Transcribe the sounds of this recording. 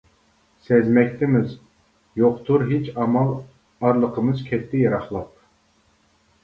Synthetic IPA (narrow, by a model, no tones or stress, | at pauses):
sɛzmɛk̚ʲt̪ʰɪmɪz | joqt̪ʰuɾɦet͡ʃɑmɑlˠ | ɑɾlˠəqʰəmɨzkʲʰɛt̪ʰːɪjɑɾɑχlˠɑp̚